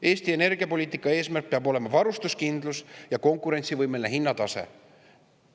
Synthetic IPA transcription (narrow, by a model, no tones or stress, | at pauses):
e̞ːst̪ie̞ne̞rɡiɑpo̞lʲiːt̪ːˑikːˑɑe̞ːsmærk̚peɑbo̞le̞mɑvɑɾust̪uskind̪lusjɑko̞ŋkˑuɾe̞nʲt̪sivɤjmelineɦinːɑt̪ɑse̞̰